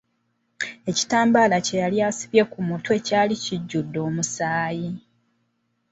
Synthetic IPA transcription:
e̞ci̥taːmbaːlace̞jaljaːsiβje̞kumutwe̞caːliciɟːudːo̞ːmusaːji

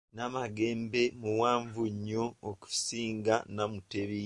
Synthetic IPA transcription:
namaɡe̞ːmbe̞muwaːɱvuɲːoːku̥siːŋɡanamuteβi

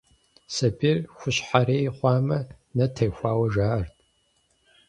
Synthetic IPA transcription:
sɐbirxʷʊɕħaɾeːjχʷɑːmɐ | nɐtʰejxʷaːwɐʒaːrtʰʼ

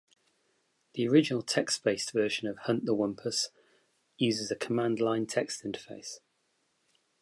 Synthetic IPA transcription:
ðiəɹɪd͡ʒɪnəlˠtʰɛksb̥eɪstv̥ɜˑʃə̃nəv̥hʌ̃nʔðəwʌ̃mpʰəs | jʉːzɪzəkʰəmãndˡlãɪ̃ntʰɛkstɪ̃ntʰə̥feɪs

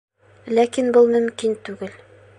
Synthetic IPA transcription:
lækinbɤlˠmɵ̆mkint̪ʉɡɘl

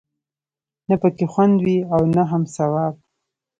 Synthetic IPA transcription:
napəkexwand̪wiawnaɦamsawɑb̚

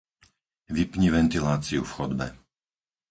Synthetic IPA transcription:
ʋipɲiʋɛnt̪ilaːt͡siufxɔd̪bɛ̰

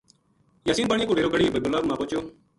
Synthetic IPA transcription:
jaːsiːnpaːɳ̃ĩkoːɖʱeːɾoːɡəɽiːbəɡʊlaːbmãːpoːt͡ʃjoː

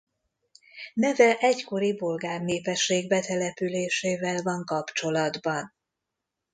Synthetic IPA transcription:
nɛvɛʔɛcko̞ɾibo̞lɡaːrneːpɛʃːeːɡbɛt̪ɛlɛpyleːʃeːvɛlvɒŋkɒpt͡ʃo̞lɒd̪bɒn

